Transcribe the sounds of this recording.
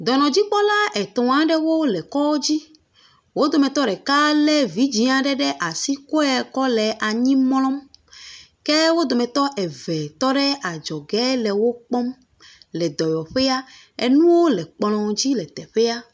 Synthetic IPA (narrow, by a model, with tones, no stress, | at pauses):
d̪ɔ˨nɔ̃˨d͡ʑi˦k͡pɔ˦la˦ɛ˨t̪ɔ̃˨a˦ɖɛ˦wo˦lɛ˨kɔ˦wo˦d͡ʑi˦ | wo˦d̪o˨mɛ̃˨t̪ɔ˦ɖɛ˨ka˦lɛ˦vi˨˦d͡ʑi˨ã˨ɖɛ˦ɖɛ˦ʔa˨si˦ko˦ɛ˨kɔ˦lɛ˨ʔa˨ɲĩ˦m˦lɔ̃˦m | ke˦wo˦d̪o˨mɛ̃˨t̪ɔ˦ʔɛ˨vɛ˨t̪ɔ˦ɖɛ˦a˨d͡ʒɔ˨ɡɛ˦lɛ˨wo˦k͡pɔ˦m | lɛ˨d̪ɔ˨jɔ˨ɸe˦a˦ | e˨nũ˦wo˦lɛ˨k͡plɔ̃˨d͡ʑi˦lɛ˨t̪ɛ˨ɸe˦a˦